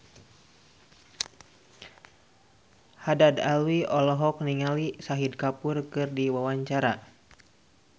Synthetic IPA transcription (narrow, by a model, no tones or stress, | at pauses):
hadadalwiɔlɔɦɔk̚niŋalisaɦid̚kapurkɨrdiwawaɲt͡ʃaɾa